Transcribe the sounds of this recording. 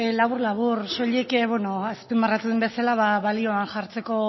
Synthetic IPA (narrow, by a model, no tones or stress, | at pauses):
laβuɾlaβuɾʃo̞ʎekβwono̞espembarat̪uðembe̞salaβaβalio̞anʝaɾt͡se̞ko̞